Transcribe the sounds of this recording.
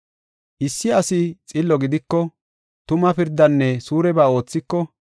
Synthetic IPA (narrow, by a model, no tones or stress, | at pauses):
ʔɪsːɪɐsɪt͡sʼɪlːɔɡɪd̪ɪkːɔ | t̪ʊmɐpɪɾd̪ːɐnːɛsuːɾɛbaːo̞ːt͡sːɪkːɔ